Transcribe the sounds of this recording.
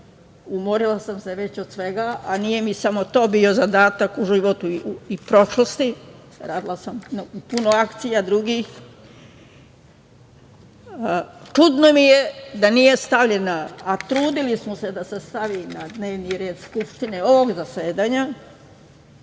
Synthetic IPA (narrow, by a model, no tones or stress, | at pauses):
umoɾilˠasamse̞ʋe̞t͡ɕod̪̥sʋe̞ɡaʔanije̞misamo̞t̪o̞ːbio̞zad̪aːt̪akuʒiʋo̞t̪uipɾo̞ʃlost̪i | ɾaːd̪ilˠasamnupunoakt̪sijad̪ɾuɡix | t͡ʃud̪nomije̞d̪anije̞st̪aʋʎe̞naat̪ɾuːd̪ilismose̞d̪asest̪aʋiːnad̪ne̞ːʋniɾe̞ːd̪skupʃt̪ineo̞ʋoɡzase̞ːd̪aːɲa